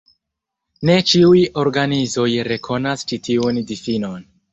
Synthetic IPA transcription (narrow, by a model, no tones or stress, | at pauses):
ne̞t͡ʃiujo̞ɾɡanizo̞jɾe̞kʰo̞nast͡ʃitiundifino̞n